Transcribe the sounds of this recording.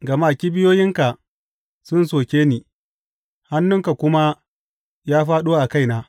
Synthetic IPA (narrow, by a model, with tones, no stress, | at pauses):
ɡɐ˨maː˦˨kʲi˦bɪ˦joː˦jɪ˦ŋka˨ | sʊ˦nsoː˨kʲeː˦niː˨ | ha˦nːʊ˦ŋka˨kʷʊ˦ma˦ | jaː˦ɸaː˦ɗuː˦ʔa˨ka˦˨jnaː˦